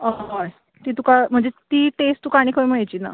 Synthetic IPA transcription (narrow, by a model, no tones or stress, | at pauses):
aɦaj | t̪iːt̪ukam̤əɳd͡zet̪iːʈest̪uːkaɽ̃iːkʰəməɭajt͡ɕiːna̰